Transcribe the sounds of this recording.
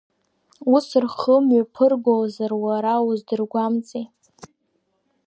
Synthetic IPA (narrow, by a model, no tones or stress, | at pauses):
usrχəmɥapʰɨrɡʷolzarwaɾauzdɨrɡʷamt͡sʼej